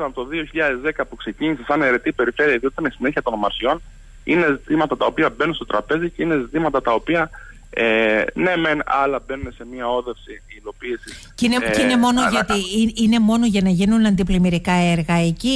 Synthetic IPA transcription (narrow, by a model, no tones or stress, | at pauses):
nɐpot̪oðio̞çiʎɐðe̞zðe̞kɐpukse̞ciɲisesɐne̞ɾe̞t̪ipe̞ɾife̞ɾiɐðioit̪ɐnesine̞çiɐt̪o̞nmɐɾso̞n | ine̞zit̪imɐt̪ɐt̪ɐo̞piɐbe̞nunst̪o̞t̪ɾɐpe̞ziceine̞zit̪imɐt̪ɐt̪ɐo̞piɐ | ene̞me̞nɐlɐbe̞nunese̞miɐo̞ðe̞fsilo̞piːsiscineine̞mo̞noʝɐt̪iine̞mo̞no̞ʝɐnɐʝinunɐnd̪iplimiɾikɐe̞ɾɣɐeci